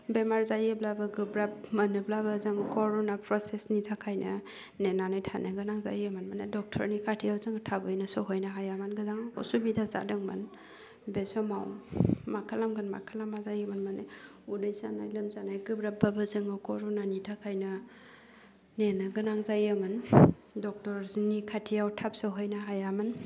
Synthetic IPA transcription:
bemaɾzajeblabɐɡɯbɾap̚mɐnɯblabazɯŋkɔɾonapɾɔsesnitʰakʰajnɐ | nenanajtʰanaɡɯnaŋza̰jamanmanedɔk̚tʰə̰ɾnikʰatʰiawzɯŋtʰabɯjnɐsɔɦojnaɦajamanɡɯdaŋo̰subidaza̰dɯŋma̰n | besɔmawmakʰalamɡɯnma̰kʰalamazajɯmanmane | udɯjsanajlɐmzanajɡɯbɾababɐzɯŋɯkʰɔɾunanitʰakʰajnɐ | nenaɡɯnaŋzajamɯn | dɔk̚tɔɾznikʰatʰijawtʰap̚sɔɦojnaɦajaman

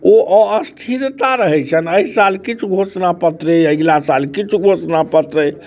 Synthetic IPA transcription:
oʔəəst̪ʰiɾt̪aɾəɦɛt͡ʃʰənəisalkit͡ʃʰuɡʱosnapət̪ɾəəɡlasalkit͡ʃʰuɡʱosnapət̪ɾə

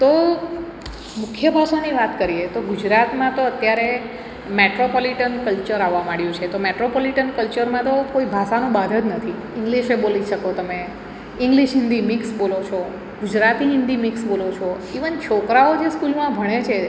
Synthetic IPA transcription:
t̪o | mʊkʰjəbʱaʃaniʋat̪kəɾiet̪oɡud͡ʒɾat̪mãt̪oət̪jaɾe | meʈɾopɔliʈənkəlt͡ʃəɾaʋːamaɽjũt͡ʃʰet̪omeʈɾopɔliʈənkəlt͡ʃəɾmãt̪okoibʱaʃanũbad̪ʱəd͡ʒnət̪ʰi | ɪ̃ŋɡliʃeboliʃəkot̪əme | ɪ̃ŋɡliʃɦɪ̃nd̪imɪksbolot͡ʃʰo | ɡud͡ʒɾat̪iɦɪ̃nd̪imɪksbolot͡ʃʰo | iʋənt͡ʃʰokɾaod͡ʒeskulmãbʱəɽ̃et͡ʃʰe

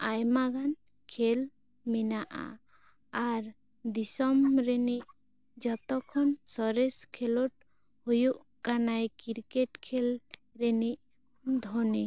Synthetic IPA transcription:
ajmaɡan | kʰel | minaʔa̰ | aɾ | d̪isɔmɾɛniʔ | d͡ʒɔt̪ɔkʰɔnsɔɾɛskʰɛlɔʈ | hujuʔ | kanajkiɾkeʈkʰel | ɾɛniʔ | d̪ʱɔni

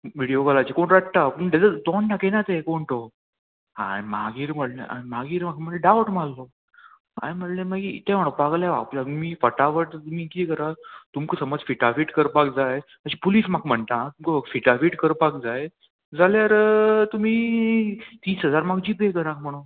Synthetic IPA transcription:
ʋiɽijoɡəlat͡ɕekoɳɾaʈt̪apəɳd̪ed͡zəd̪ɔɳʈakenat̪ẽkoɳʈo | ɦã̰ɽimaɡiːɾm̤əɽlḛʔa̰ɽimaɡiːɾmakm̤əʈleɖaʋəʈmallo | a̰jm̤əʈlẽmaɡit̪ɛ̃m̤əɽ̃okbaɡljaʋa̰plamiːfəʈaʋəʈt̪umiːkikəɾat̪umkəsəməd͡zfiʈafiːʈkəɾpak̚d͡zaj | əɕipuliːsmakm̤əɳt̪at̪umkəfiʈafiʈkəɾpak̚d͡zaj | d͡zaljaɾt̪umiː | t̪iːsɦəd͡zaɾmaɡd͡ʑipekəɾãk̚m̤əɽ̃un

